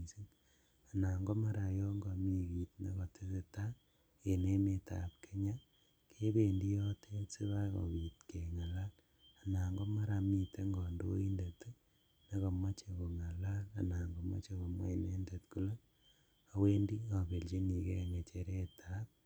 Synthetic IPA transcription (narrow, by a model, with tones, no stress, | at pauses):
si˦n | a˨na˨ŋɡɔ˦ma˦ɾa˨jɔ˦ŋɡa˨mi˦ki˨tnḛ˦kɔ˨tʰi˦se˨ta˦ | e˨ne˦me˨tʰa̰˨p̚kʰe˦ɲa˦ | kʰe˦be˨ndi˦jɔ˦tʰe˦si˦βa˦kɔ̰˨wi˨tke˨ŋa˨la˦l | a˨na˨ŋɡɔ˦ma˦ɾa˧mi˨te˦ŋɡɔ˨ndo̰˦i˦nde˨tu˦ | ne˦kɔ˨ma˦t͡ʃe˨ko˨ŋa˨la˦la̰˨naː˨ŋɡo˨ma̰˦t͡ʃe˨ko˨mwa̰˦i˨ne˦nde˨tku˦le˦ | a˨we˦ndi˦a˨be˨lt͡ʃi˦ni˨ke˦ŋɡe˨t͡ʃe˦ɾe˦tʰa˦p̚